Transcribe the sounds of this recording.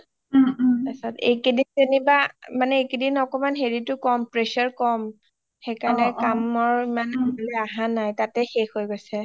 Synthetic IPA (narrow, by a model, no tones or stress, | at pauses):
asɔtḛkedintenibamanɛekedinɔkɔmanɦeɹitʊkɔmpɹesɔɹkɔm | xejkaɹnɛkamɔɹimanabalɛaɦãnajtatɛxexojɡojsɛ